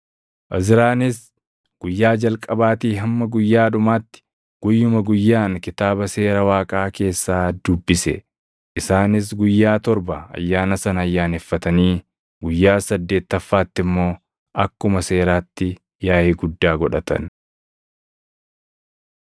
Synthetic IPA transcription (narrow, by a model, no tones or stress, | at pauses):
ʔɐzɪɾaːnɪs | ɡ̥ʊjːaːd͡ʒɐlkʼɐbaːt̪iːɦɐmːɐɡʊjːaːᶑʊmaːt̪ːɪ̥ | ɡ̥ʊjːʊmɐɡʊjːaːŋkɪt̪aːbɐse̞ːɾɐwaːkʼaːke̞ːsːaːd̪ʊbːɪsɛ̰ | ʔɪsaːnɪs̬ɡʊjːaːt̪ɔɾbɐɐ̰jːaːnɐsɐnɐjːaːnɛfːɐt̪ɐniː | ɡʊjːaːsɐd̪ːe̞ːt̪ːɐfːaːt̪ːɪmːo̞ː | ʔɐkːʊmɐse̞ːɾaːt̪ːɪ | jaːheːɡʊd̪ːaːɡɔᶑɐt̪ɐ̰n